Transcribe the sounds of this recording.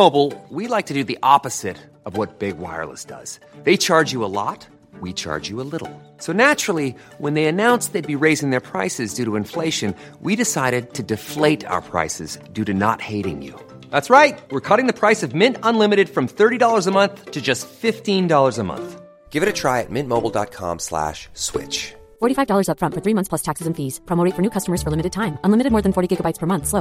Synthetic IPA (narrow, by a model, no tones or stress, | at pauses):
oʊbl̩ˠwilaɪk̚tʰɨdɨðiʔɑpɨz̥ɪɾ | ʌvwʌt̚b̥ɪɡwa̰ɪə̰˞lˠə̰sd̥ʌ̰z̥ | ðeɪt͡ʃʰɑɹd͡ʒjɨəlɔ̰t̚ | wit͡ʃʰɑ̰ɹd͡ʒɨəlɪɾl̩ˠ | soʊnæt͡ʃɹ̥l̩ˠi | wə̃nðeɪɨnãʊ̃nsðeɪd̚biɹeɪzɪ̃ŋðə˞pʰɹ̥aɪsɨzdʉɾəɨ̃ɱfleɪʃɨ̃n | wʔiɾɨsaɪɾɨd̚tʰɨdɨfleɪɾa̰ʊə̰˞pʰɹ̥a̰ɪsɨ̰zdʉɾɨnə̰t̚heɪɾɪ̰̃ŋjʉ̰ | ðætsɹaɪt̚wɪɹkʰʌɾɪ̃ŋðɨpʰɹ̥aɪsʌvmɪ̃ntə̃nlɪ̃mɨɾɨd̥fɹʌ̃mθɜ˞ɾidɔlˠə˞zəmʌ̃nθtʰɨd͡ʒʌstfɪftĩndɔlˠə˞zəmʌ̰̃nθ | ɡ̥ɪvɨɾɨtʰɹ̥aɪɨ̰t̚mɪ̃nmoʊbl̩ˠdɑ̰t̚kʰɑ̰̃mslæ̰ʃswɪ̰t͡ʃ | fɔɹɾifaɪvdɔlˠə˞zʌpfɹʌ̃ntfə˞θɹimʌ̃θspʰlʌstʰæksɨzɨ̃ɱfiz̥pʰɹ̥ɑmoʊɾitfə˞nʉkʰʌstəmə˞z̥fə˞lɪ̃mɨɾɨd̚tʰãɪ̃mə̃nlɪmɨɾɨd̚mɔɹðɨ̃nfɔɹɾiɡɪɡəbaɪtspʰə˞mʌ̃nθsloʊ